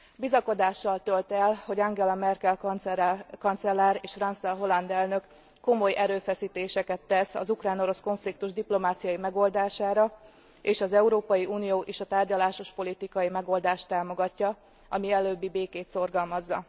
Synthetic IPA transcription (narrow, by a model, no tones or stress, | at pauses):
bizɒko̞d̪aːʃːɒlt̪ølt̪ɛlho̞ɟɒŋɡɛlɒmɛrkɛl | kɒnt̪sɛlːaːɾeːʃfrɒnsɛlɦo̞lɒnd̪ɛlnø̞kː | o̞mo̞jɛɾøːfɛsiːt̪eːʃɛkɛt̪ːɛsɒ̰zukraːno̞ɾo̞sko̞ɱflikt̪uʒd̪iplo̞maːt̪sijɒjimɛɡo̞ld̪aːʃaːɾɒ | eːʃɒzɛuɾoːpɒjiʔuːnijoːʔeːʃɒt̪aːrɟɒlaːʃo̞ʃpo̞lit̪ikɒjimɛɡo̞ld̪aːʃt̪aːmo̞ɡɒcːɒ | ɒmiɛløːbːibeːkeːt̪so̞rɡɒlmɒzːɒ